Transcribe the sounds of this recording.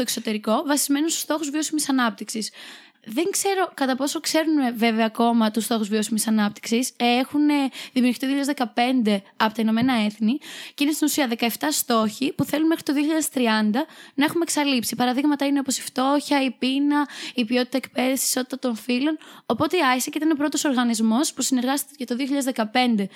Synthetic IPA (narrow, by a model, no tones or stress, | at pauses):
oekso̞t̪e̞ɾiko̞vɐsizme̞nunst̪u̥st̪o̞xuzvio̞simisɐnɐp̚t̪iksis | ðe̞ŋkse̞ɾo̞kɐt̪ɐpo̞so̞kse̞ɾuneve̞veɐːko̞mɐt̪ust̪o̞xuzvio̞simisɐnɐp̚t̪i̥ksisexuneðimiuɾɣit̪iioçʎɐðezðekɐpe̞nd̪e̞ɐpo̞t̪ɐino̞me̞nɐe̞θniceinest̪inusiɐðe̞kɐeft̪ɐst̪o̞çipuθe̞lunmxɾit̪oðioçiʎɐðest̪ɾiɐnd̪ɐnɐe̞xumeksɐlipsipɐɾɐðiɣmɐt̪ɐine̞o̞posi̥ft̪o̞çɐipinɐipio̞t̪it̪ɐekpe̞ðifsisi̥so̞t̪i̥t̪ɐt̪o̞nfilo̞nopo̞t̪e̞iɐçisɐceit̪ɐnopɾo̞t̪o̞so̞ɾɣɐnizmo̞spusine̞ɾɣɐst̪it̪cɐt̪oðioçiʎɐðezðekɐpe̞nd̪e̞